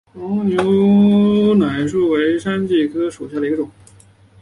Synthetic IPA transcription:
ɔ˧˥njo˧˥ʊ | na˨˩ɪʂ̬u˥˩we˧˥ɪʂa˥nt͡ɕi˥˩kʰɤ˥ʂu˨˩ɕja˥˩ə˩i˧ɡʈ͡ʂʊ˨˩˦ŋ

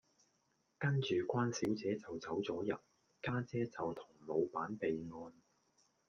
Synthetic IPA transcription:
kɐ˥nt͡ʃyː˨˩kʷaː˥nsiː˨˥wt͡sɛː˨˥t͡sɐ˨wt͡sɐ˨˥wt͡sɔː˨˥jɐ˨t̚ | kaː˥t͡sɛː˥t͡sɐ˨wt̪ʰʊ̥˨˩ŋlo˨˧wpaː˨˥npe˨jŋɔː˧n

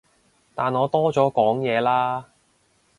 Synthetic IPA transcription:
t̪aː˨nɔː˨˧t̪ɔː˥t͡sɔː˨˥kɔː˨˥ŋjɛː˨˧laː˥

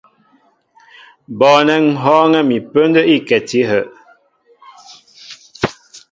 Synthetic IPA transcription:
bɔː˨nɛ˨ŋ̩˨ɦɔː˦ŋɛ˦mi˨pə˦ndə˦ʔi˦kɛ˨ti˦ɦə˨ʔ

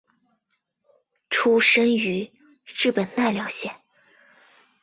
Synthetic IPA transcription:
ʈ͡ʂʰu˥ʂə˥ŋy˧˥ | ɻɻ̩˥˩pə˨˩nt̪a˥˩ɪljɑ˧˥ʊɕjɛ˨˩˦n

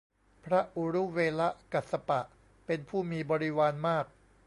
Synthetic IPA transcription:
pʰɾa˦˥ʔu˨˧˦ɾu˦˥weː˧la˦˥ʔka˨˩t̪̚sa˧pa˨˩ʔ | pe˧npʰuː˥˩miː˧bɔː˧ɾi˦˥waː˧nmaː˥˩k̚

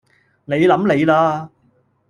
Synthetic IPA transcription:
ne˨˧jlɐ˨˥mle˨˧jlaː˧

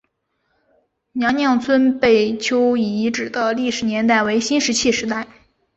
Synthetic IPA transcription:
njɑ˧˥ŋnjɑ˥˩ŋt͡sʰwə˥npe˥˩ɪt͡ɕʰjo˥ʊi˨˩i˧˥ʈ͡ʂɻ̩˨˩d̪ə˦li˥˩ʂɻ̩˨˩njɛ˧˥nt̪a˥˩ɪwe˧˥ɪɕi˥nʂɻ̩˧˥t͡ɕʰi˥˩ʂɻ̩˧˥t̪a˥˩ɪ

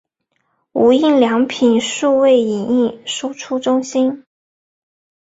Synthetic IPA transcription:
u˧˥i˥˩nljɑ˧˥ŋpʰi˨˩nʂu˥˧we˥˩ɪi˨˩ni˥˩nʂu˥ʈ͡ʂʰu˥ʈ͡ʂʊ˥ŋɕi˥n

